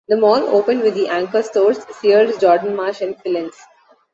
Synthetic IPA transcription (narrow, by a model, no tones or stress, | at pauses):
d̪əmɔːlo̰ːpə̃ɳɖʋɪd̪ːiʔæ̃ŋkəɾsʈoːɾssiəɾɖd͡ʒɔːɾɖə̃n̩maːɾʃɛ̃nfɪlɪ̃ns